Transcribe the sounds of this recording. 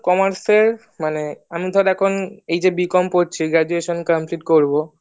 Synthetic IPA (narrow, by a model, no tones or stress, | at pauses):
kɔmaɾseɾ | maneamit̪ʰɔaɾɛkʰonejd͡ʑebikɔmpoɾ̚t͡ɕʰiɡɾɛd͡ʑueʃonkəmpliʈkoɾbo